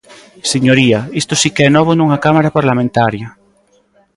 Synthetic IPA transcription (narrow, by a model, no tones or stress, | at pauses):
seɲoɾiaist̪osikeɛnɔβ̞onuŋakamaɾapaɾlamẽnt̪aɾjɐ